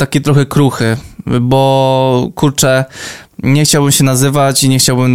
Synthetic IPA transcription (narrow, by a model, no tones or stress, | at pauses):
t̪akʲit̪ɾɔxɛkɾuxɘbɔkuɾt͡ʂɛ | ɲɛxt͡ɕawbɘmɕɛnazɘvat͡ɕiɲɛxt͡ɕawbɘm